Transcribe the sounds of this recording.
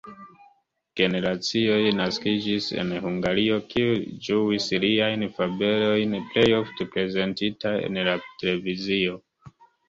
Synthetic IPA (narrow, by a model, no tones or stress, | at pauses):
ɡ̥e̞ne̞ɾat͡sio̞jnaskid͡ʒise̞̰nhuŋɡaɾio̞kʰiud͡ʒuisliajnfabe̞lo̞jnple̞jo̞fte̞pɾe̞ze̞ntitaḛnlatele̞vizio̞